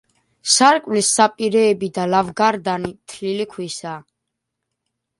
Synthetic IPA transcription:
saɾkʼwlisːapʼiɾɛːbid̪alavɡaɾd̪animt̪ʰlilikʰwisa

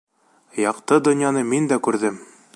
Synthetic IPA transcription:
jɑqt̪ɤd̪ŏnjɑnɤmind̪ækʉɾðɘm

